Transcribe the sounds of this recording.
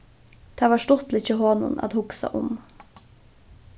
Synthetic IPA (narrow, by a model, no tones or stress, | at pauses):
d̪̥ʰæːʋɑːʃʈɔt̪lɪçəhoːnʊ̰nʔɑ̰d̪hʊɡsɑ̰ʔʊm